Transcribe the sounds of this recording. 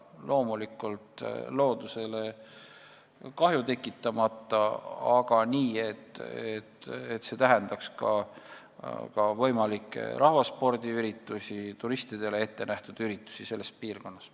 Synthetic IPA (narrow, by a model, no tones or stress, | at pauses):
lʔo̞ːmulikːˑult̪lo̞ːd̪use̞le̞ | kɑɦjut̪e̞kːˑit̪ːˑɑmɑt̪ːˑɑɑɡ̥ɑniːe̞t̪ːˑet̪et̪se̞t̪æɦɛnd̪̥ɑkskɑ̰ | kɑvɤ̞jmɑlikːˑḛɾʔɑhvɑspo̞rd̪iyɾit̪ːˑusʲit̪uɾist̪id̪̥e̞lee̞t̪ːe̞næht̪ud̪̥yɾit̪ːˑu̥sise̞lːe̞spiːrko̞nːɑs